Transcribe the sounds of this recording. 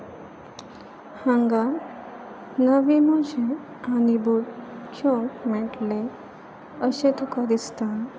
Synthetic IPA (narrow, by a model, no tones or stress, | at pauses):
hãŋɡa | nəʋimɔɕe | anibudkʰjõkmɛʈle | əɕẽt̪ukad̪ist̪an